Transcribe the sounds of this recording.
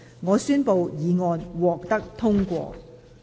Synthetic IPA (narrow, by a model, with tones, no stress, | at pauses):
ŋɔː˨˧syː˥npo˨wjiː˨˧ŋɔː˧nwɔː˨k̚t̪ɐ˥k̚t̪ʰʊ˥ŋkʷɔ̰ː˧